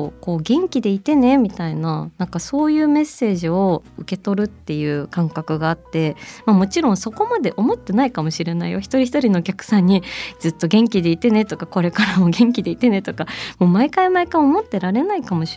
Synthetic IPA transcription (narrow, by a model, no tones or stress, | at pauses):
ko̞ːɡẽ̞ŋkʲid̪e̞it̪e̞ne̞mʲit̪ainanãŋkaso̞ːjɯ̟ːme̞sːe̞ːʑio̞ɯ̟ke̞t̪o̞ɾɯ̟t̪ːe̞jɯ̟ːkãŋkakɯ̟ɡaːt̪ːe̞mamo̞t͡ɕiɾõ̞ɰ̃so̞ko̞mad̪e̞ʔo̞mo̞t̪ːe̞naikamo̞ɕiɾe̞naḭjo̞çi̥t̪o̞ɾʲiçi̥t̪oɾʲino̞ːkʲakɯ̟̥sãɲ̟ːid͡zɨt̪ːo̞ɡẽ̞ŋkʲid̪e̞it̪e̞ne̞t̪o̞kako̞ɾe̞kaɾamoɡẽ̞ŋkʲid̪e̞it̪e̞ne̞t̪o̞kamo̞ːmaekaimaekaomo̞t̪ːe̞ɾaɾe̞naikamo̞ɕ